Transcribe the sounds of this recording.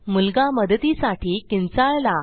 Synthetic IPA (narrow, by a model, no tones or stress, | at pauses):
mulɡaməd̪t̪isaʈʰiːkint͡saɭla